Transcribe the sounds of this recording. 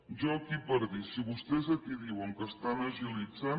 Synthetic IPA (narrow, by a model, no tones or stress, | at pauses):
ʒɔkipəɾðisiβust̪ɛzəkiðiwəŋkəst̪anəʒilid͡za